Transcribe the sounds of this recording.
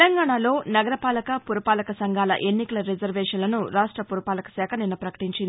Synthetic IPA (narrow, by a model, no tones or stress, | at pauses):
lɐŋɡaːɳaːlo̞ːnɐɡɐɾɐpaːlɐkɐpuɾɐpaːlɐkɐsɐŋɡaːlɐ̰ʔe̞nːikɐlɐɾed͡ʒɐɾʋɛːʂɐnlɐnuɾaːʂʈɾɐpuɾɐpaːlɐkɐ̥sɛːkʰɐninːɐpɾɐkɐ̥ʈiɲt͡ʃind̪ii